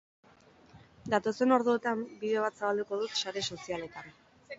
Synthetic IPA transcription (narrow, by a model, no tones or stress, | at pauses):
d̪at̪o̞se̞no̞ɾðuet̪ambiðe̞oβ̞at̪saβald̪uko̞ðut̪ʃaɾe̞so̞siale̞t̪an